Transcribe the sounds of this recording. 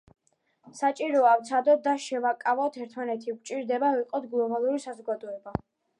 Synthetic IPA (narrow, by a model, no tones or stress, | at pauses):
sat͡ʃʼiɾɔaft̪sʰad̪ɔt̪̚d̪aʃɛvakʼavɔt̪ʰɛɾt̪ʰmanɛt̪ʰik̚ʷt͡ʃʼiɾd̪ɛbaviqʼɔt̪ʰɡlˠɔbalˠuɾisazɔɡad̪ɔɛba